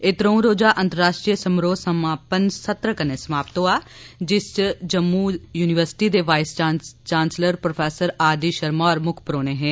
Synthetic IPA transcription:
et̪ɾə̃ũːɾoːd͡ʒaːʔə̃nt̪əɾːaːʃʈɾiəsəmɾoːsəmaːpənsət̪ɾəkəneːsəmaːpt̪õːaː | d͡ʒɪst͡ʃd͡ʒəmːuːjuːnɪʋəɾsɪ̥ʈiːd̪eːʋaːɪst͡ʃaːt͡ʃaːnsləɾpɾopʰɛːsəɾaːd̪iːʃəɾmɔːɾmʊkʰpɾoːneːɦɛ̃ː

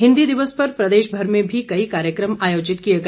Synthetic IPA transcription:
ɦɪ̃nd̪id̪ɪʋəspɐɾpɾɐd̪eːʃbʱɐɾmẽbʱikɐikaːɾjəkɾəmaːjoːd͡ʒɪt̪kijeɡɐ

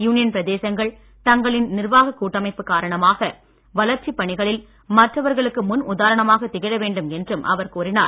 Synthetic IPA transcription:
juːnɪjɐnpɪɾɐðeːsɐŋɡɐɭ | t̪ɐŋɡɐɭɪnnɪɾʋaːɣɐkːuːʈːɐmɐɪpːɯkːaːɾɐɳɐmaːɣɐ | ʋɐlɐɾt͡ʃipːɐɳɪɣɐɭɪl | mɐʈrɐʋɐɾɣɐɭɯkːɯmʊnʔʊðaːɾɐɳɐmaːɣɐt̪ːɪɣɪɽɐʋeːɳɖɯmɛndrɯmʔɐ̰ʋɐɾkuːɾɪnaːɾ

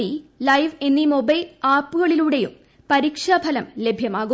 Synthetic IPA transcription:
ilɐjʋe̞nːimo̞bɐjlaːpːuɣɐɭiluːɽe̞jum | pɐɾikʂabʱɐlɐmle̞bʱjɐmaːɣu

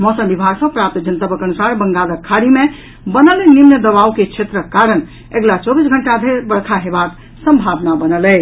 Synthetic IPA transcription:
mɔsəmbibʱaɡsə̃pɾap̚t̪d͡ʒənt̪əbəkənusaɾbəŋɡaləkʰːaɾimẽ | bənəlenimnəd̪əbauket͡ʃʰet̪ɾəkːaɾən | eɡlat͡ʃɔbisɡʱəɳʈad̪ʱeɾbəɽkʰaɦebak | sə̃mbʱabnabənəlɛ

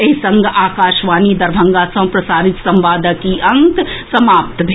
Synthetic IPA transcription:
eɦsɐ̃ŋɡʔaːkaːʃʋaːnid̪ɐɾbʱɐ̃ŋɡaːsɐ̃w̃pɾɐsaːɾɪt̪sɐ̃mʋaːd̪əkiʔɐ̃ŋt̪sɐmaːp̚t̪bʱe

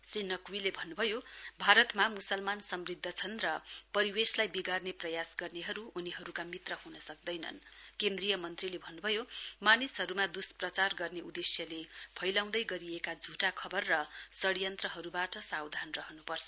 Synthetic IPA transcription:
srinʌkwilebʱʌnːubʱʌjobʱaɾʌt̪mamusʌlmansʌmrid̪ʱːʌt͡sʰʌnrʌpʌɾiweslajbiɡarneprʌjasɡʌrneɦʌɾuːniɦʌɾukamit̪rʌɦunʌsʌk̚d̪ʌjnʌ̰nkend̪rijʌmʌnt̪rilebʱʌnːubʱʌjomanisɦʌɾumad̪usprʌt͡sarɡʌrneud̪esjʌlepʰʌjlaw̃d̪ʌjɡʌɾiekad͡zʱuʈakʰʌbʌrːʌsʌɽijʌnt̪rʌɦʌɾubaʈʌsawd̪ʱanrʌɦʌnupʌrt͡sʰʌ̥

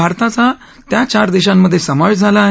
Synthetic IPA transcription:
aɾt̪at͡sa | t̪jat͡ɕaɾd̪iɕ̬amːəd̪ʱːjesəməɭd͡zʱalaːɦ

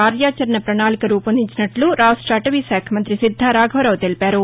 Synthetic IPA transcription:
kaːɾjaːt͡ʃɐɾɐnɐpɾɐnaːlikɐɾuːpɐnd̪ʱiɲt͡ʃinɐʈluɾaːʂʈɾɐɐʈɐʋiːsaːkʰɐmɐnt̪ɾisid̪ʱːaːɾaːɡʱɐʋɐɾɐwt̪e̞lipaːɾu

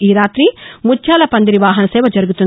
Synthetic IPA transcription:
iːɾaːt̪ɾimut͡ʃʰʃaːlɐpɐnd̪ɐɾiʋaːɦɐnɐsɛːʋɐd͡ʒɐɾuɡut̪un

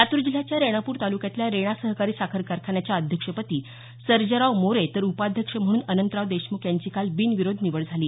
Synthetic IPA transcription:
sat̪uɾd͡ʑil̤ːat͡ɕjaɾeɽ̃apuːɾt̪alukjat̪ljaɾeɽ̃asəɦkaɾiːsakʰəɾkaɾkʰaɳjat͡ɕjaəd̪ʱjəkʂəpət̪iː | səɾd͡ʑəɾaʋmoɾet̪əɾupad̪ʱjəkʂəm̤əɽ̃uːnənənt̪ɾaʋd̪eɕmukjaɲt͡ɕiːkalbiːnʋiɾod̪ʱniʋəɭd͡zʱaliː

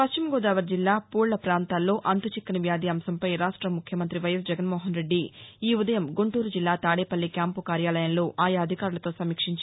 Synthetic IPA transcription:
pɐst͡ʃimɐɡoːd̪aːʋɐɾd͡ʒilːaːpuːɭːɐpɾaːnt̪aːlːo̞ːʔɐnt̪ut͡ʃikːɐniʋjaːd̪iːɐmsɐmpɐjɾaːʂʈɾɐmukʰjɐmɐnt̪ɾiʋɐjɐsd͡ʒɛɐɡɐnmoːɦɐnɾe̞ɖːiiːud̪ɐjɐmɡuɳʈuːɾud͡ʒilːaːt̪aːɽeːpɐlːikjaːmpukaːɾjaːlɐjɐnlo̞ːʔaːjɐɐd̪ʱikaːɾulɐt̪o̞ːsɐmiːkʂiɲt͡ʃ

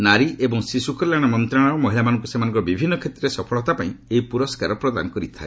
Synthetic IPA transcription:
naɾiʔebɔŋsisukɔɾlaɽ̃amɔnt̪ɾaɽ̃aɾɔmɔɦilamanɔŋkusemanɔŋkɔɾɔbibʱinːɔkʰet̪ɾesɔpʰɔɭɔt̪apaĩeipuɾɔskaɾɔpɾɔd̪a̰nɔkɔɾit̪ʰa̰e

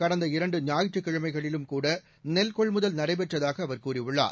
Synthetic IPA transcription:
kɐɽɐnd̪ɐɪɾɐɳɖɯɲaːjɪʈrɯkːɪɻɐmɐɪɣɐɭɪlɯmkuːɽɐ | nɛlkɔɭmʊðɐlnɐɾɐɪp̬ɛʈrɐðaːɣɐːʋɐɾkuːriʊɭːa̰ː

